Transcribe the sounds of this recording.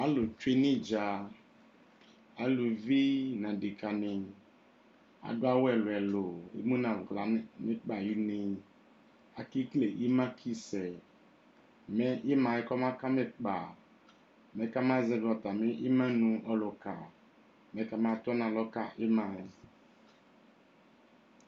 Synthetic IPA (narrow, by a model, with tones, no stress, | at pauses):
a˨lo˨t͡ʃe˦ni˦d͡ʒa˨ | a˨lu˨vi˦nã˨de˨ka˨nɪ˨ | a̰˨ɡa˦wɛ˨lʊ˨ɛ˨lo˨ḛ˨mũ˦nã˨ɡla˨˦mɪ˦k͡pa˨ji˦nɪ˨ | a˨ki˦kle˨ʔi˦mã˦kʰi˦sɛ˨ | mɛ˦ʔɪ˦mã˨ɛ˦kɔ˦mã˦ka˦me˦k͡pa˨ | mɛ˨˦ka˦m˦ã˦zɛ˦ɡɔ˨t̪a˨me˦ʔi˦mã˦nũ˨ʔɔ˨lɔ˨ka˨ | mɛ˨ka˨m˦a˨t̪ɔ˦nã˨lɔ˦ka˦ʔɪ˦mã˨